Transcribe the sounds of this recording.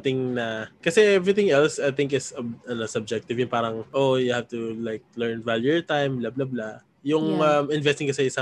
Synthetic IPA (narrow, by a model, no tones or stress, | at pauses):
t̪ɪŋnɐkɐsɛʔɛvɹɪθɪ̃ŋɛlsajθɪ̃ŋk̬ɪsɐɐnosɐb̚d͡ʒɛk̚t̪ɪvjʊnpaːɾɐŋʔojʊhaft̪ʊlaɪk̚lɛɹnvaljuɛɹt̪ãjmblablabla | jʊŋɐmɪ̃nvɛst̪ɪ̃ŋkɐsɛɪsa